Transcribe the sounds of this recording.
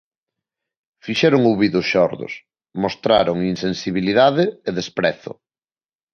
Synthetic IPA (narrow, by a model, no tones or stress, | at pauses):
fiʃɛɾʊŋuwβiðʊsʃɔɾðʊ̰s | most̪ɾa̰ɾʊŋinsensiβiliðaðɪːðespɾɛθʊ̰